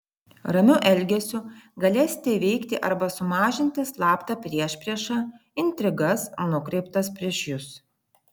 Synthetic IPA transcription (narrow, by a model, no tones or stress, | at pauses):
ɾɐmʲʊʔɛlʲɡʲɛsʲʊɡɐlʲeːsʲɪ̥t̪ʲeʋʲɛɪkt̪ʲɪʔɐɾbɐsʊmɑːʒʲɪnʲt̪ʲɪslˠɑːpt̪ɑpʲɾʲiɛʃʲpʲɾʲiɛʃɑ | ɪnʲt̪ʲɾʲɪɡɐsnʊkɾʲɛɪpt̪ɐspʲɾʲiɛʃjʊs